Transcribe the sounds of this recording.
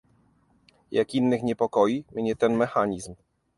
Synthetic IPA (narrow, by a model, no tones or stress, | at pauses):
jakinːɘxɲɛpɔkɔjimʲɲɛt̪ɛnmɛxaɲizm